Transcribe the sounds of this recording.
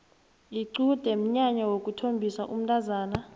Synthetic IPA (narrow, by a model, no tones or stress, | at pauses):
iǀud̥ʱɛm̩ɲaɲawokʼutʰombʱisaʔum̩tʼazaːna